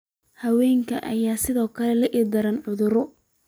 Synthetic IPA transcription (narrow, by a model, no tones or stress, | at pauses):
hɐwɛːŋkʰɐʔɐjaːsɪðɔːkʰɐlɛlɐʔɪd̪ɐɾɐnʕʊðʊɾɔ